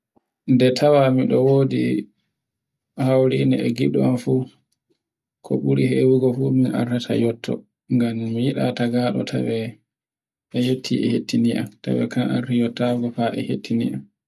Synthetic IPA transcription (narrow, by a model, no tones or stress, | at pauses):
ndɛtʰawamiɗɔwoːdḭ | hawɾiniɛ̰ɡiɗuamfu | kʰɔ̰ɓuɾihewiɡɔfuminʔa̰rːatʰa̰jɔtʰːɔ̰ | ŋɡamːijiɗataɡaːɗɔ̰tʰa̰wɛ | ʔɛjetʰːiʔɛhetːiniʔa̰mta̰wɛ̰kanʔa̰ɾtijɔtːaɡɔfaʔɛ̰hetʰːiniʔam